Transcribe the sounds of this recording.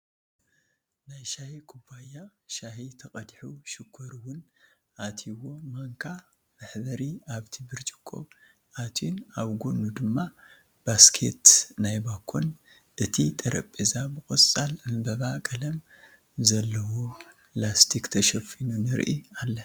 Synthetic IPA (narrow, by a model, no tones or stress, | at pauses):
najʃahikʰubajːaʃahit̪ʰɐkʼɐd̪ħuʃɨkʰːɐɾuwʊn | ʔat̪ʰiwo̞maŋkʰa | mɨħbɐɾiaβt̪ʰibɨɾt͡ʃʼi̥kʰʼːo̰ | ʔat̪ʰunaβɡonud̪ɨmːa | b̥askʰet̪najbakʰːon | ʔɨt̪ʰit̪ʼɐɾɐpʼezabɨkʼɐt͡sʼalmɨbɐβakʼɐlɐm | zɐlːɐwoplast̪ʰikt̪ʰɐʃɐfinunɨɾʔialːɐ